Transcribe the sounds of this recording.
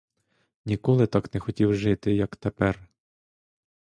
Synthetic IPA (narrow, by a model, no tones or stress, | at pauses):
nʲikɔlˠɪt̪ɑknɛxɔtʲiwʒɪt̪ɪjɐkt̪epɛr